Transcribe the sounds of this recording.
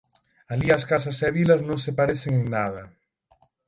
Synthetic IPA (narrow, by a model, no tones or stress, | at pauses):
aliɐskasɐsɛβilɐznõŋsepaɾeθeŋeŋnaðɐ